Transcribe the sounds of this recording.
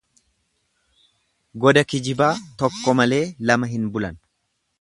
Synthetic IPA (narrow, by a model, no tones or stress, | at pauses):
ɡɔd̪ɐkɪd͡ʒɪbaːt̪ɔkːɔmɐle̞ːlɐmɐɦɪnbʊlɐn